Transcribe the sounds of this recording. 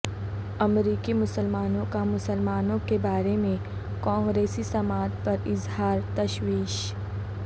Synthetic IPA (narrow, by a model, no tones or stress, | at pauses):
ɐmɾiːkimʊsəlmaːnõkamʊsəlmaːnõkebaːɾemẽ | kɔ̃ːŋɡɾeːsisɐmaːt̪pɐɾɪzhaːɾt̪ɐʃwiːʃ